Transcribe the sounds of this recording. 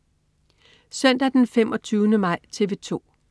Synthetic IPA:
sœn̰d̥æd̥enfemɒ̽t͡sʰyːʊnəmɑ̈ɪ̰t͡sʰe̝ʋe̝t͡sʰo̝̰ː

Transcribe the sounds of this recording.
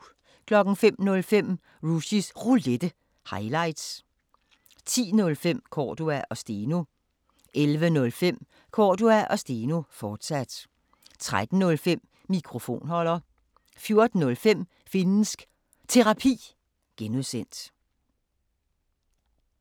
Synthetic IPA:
kʰlɒ̽ɡ̥n̩fem̰nɔ̽lfem̰ | ʁuɕisʁuled̥ə | hɑ̈ɪlɑ̈ɪ̰d̥s | t͡sʰḭːnɔ̽lfem̰kʰɒ̰ːd̥uæʔɒ̽sd̥eːno | ʔelʋənɔ̽lfem̰ | kʰɒ̰ːduæʔɒ̽sd̥e̝ːno̝fɒːd̥sæd̥ | t͡sʰʁaæd̥n̩nɔ̽lfem̰ːikʰʁo̝fo̝̰ːnɦɒ̽l̰ɐ | fjo̝ɐd̥n̩ːɔ̽lfem̰ | fe̝nn̩sɡ̥ | t͡sʰe̝ʁɑ̈pʰḭː | ɡ̥enuðˠsen̰d̥

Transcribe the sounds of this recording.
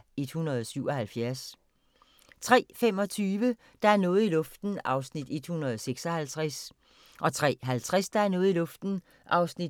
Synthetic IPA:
e̝d̥hunɐð̞ˠɒsyʊ̰ɒ̽hælfjæɐs | t͡sʰʁɛ̰ːfem̰ɒ̽t͡sʰyːʋə | d̥ɑ̈æɐnɔ̽ːð̩ˠilɔ̽fd̥n̩ɑ̈ʊsnid̥e̝d̥hunɐðˠseɡ̥sɒ̽hælt͡sʰʁas | ʔɒ̽t͡sʰʁɛ̰ːɦælt͡sʰʁɛsd̥ɑ̈æɐnɔ̽ːð̩ˠilɔ̽fd̥n̩ | ʔɑ̈ʊsnid̥

